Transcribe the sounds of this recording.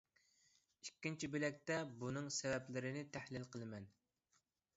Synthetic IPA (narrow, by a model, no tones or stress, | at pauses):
ikʲːint͡ʃʰibɪlɛk̚ʲt̪ɛbunɨŋsɛvɛplɪɾɪnɪt̪ʰæhlɪlqʰəlˠɨmɛn